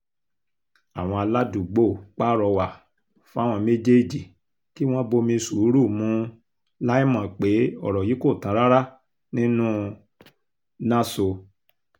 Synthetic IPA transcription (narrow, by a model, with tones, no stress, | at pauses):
a˨w̃ɔ̃˧a˧la˦du˨ɡ͡bo˦˨k͡pa˦ɾɔ˧wa˨ | fũ˦a˦w̃ɔ̃˧me˦d͡ʒe˦˨d͡ʒi˨ | ki˦w̃ɔ̃˦bo˧mĩ˧su˨˦ɾu˦˨mũ˨˦ | la˦i˦mã˨k͡pe˨˦ɔ̰˦˨ɾɔ˨ji˨˦ko˦˨tã˨˦ɾa˦ɾa˦ | nĩ˦nũ˦ | nã˦so˧